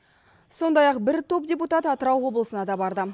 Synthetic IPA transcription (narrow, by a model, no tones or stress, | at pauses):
so̞nd̪ɑjɑqbɪɾt̪ʰo̞p̚dʲeput̪ɑt̪ɑt̪əɾɑwwo̞blˠəsənɑd̪ɑbɑɾd̪ə